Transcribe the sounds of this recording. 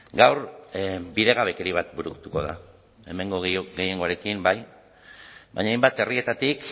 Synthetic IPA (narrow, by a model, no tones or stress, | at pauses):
ɡawɾbiðeɣ̞aβ̞e̞ke̞ɾiβ̞at̪buɾukt̪uko̞̰ða̰ | e̞me̞ŋɡo̞ɡe̞je̞ŋɡo̞aɾe̞kimbaj | ba̰ɲajmbat̪e̞rie̞t̪at̪ik